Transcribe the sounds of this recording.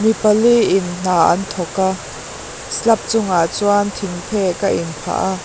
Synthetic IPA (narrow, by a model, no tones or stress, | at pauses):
mipɐliʔɪnn̥aːʔɐ̰nt̪ʰɔka | slɐp̚t͡sʊŋat͡suant̪ʰɪŋpʰɛkaʔɪnpʰa̰ʔa